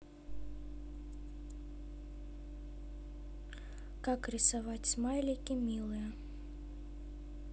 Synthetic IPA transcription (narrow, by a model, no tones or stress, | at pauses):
kakɾʲɪsavat͡sʲmajlʲikʲimʲilˠɨjɐ